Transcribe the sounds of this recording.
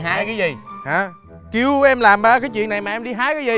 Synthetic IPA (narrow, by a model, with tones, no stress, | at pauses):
ɦaː˧jkaː˨˦jzi˨˩haː˨˩ | ki˧əwʔɛ˧mlaː˨˩mɓaː˧kaː˨˦jt͡ɕwi˧˨ənːa˨˩jmaː˨˩ʔɛ˧mɗi˧ɦaː˧˥jkaː˨˦jzi˨˩